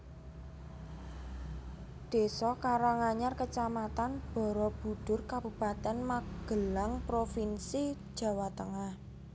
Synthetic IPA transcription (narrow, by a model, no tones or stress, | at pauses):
d̪̥e̤sɔkaɾaŋaɲarkət͡ʃamat̪anb̥ɔ̤ɾɔb̥ṳd̪̥ʊrkab̥ṳb̥a̤t̪ɛnmaɡ̥əlaŋpɾofinsi̥ | ʒ̥a̤wat̪əŋah